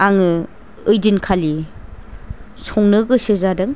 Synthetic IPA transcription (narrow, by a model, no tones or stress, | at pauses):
aŋɯ | ɯjdinkʰali | sʰɔŋnɯɡɯsɯzadɯŋ